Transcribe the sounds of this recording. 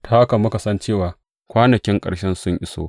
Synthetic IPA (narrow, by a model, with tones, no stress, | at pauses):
tʰaː˨˦a˦ka˨mʊ˦ka˨sɐ˦nt͡ʃeː˦˨waː˨ | kʷaː˦nɐ˨kʲɪ˦ŋkʼɐ̰˨ɽʃɛ˦nsʊ˦ɲʔɪ˦so̰ː˦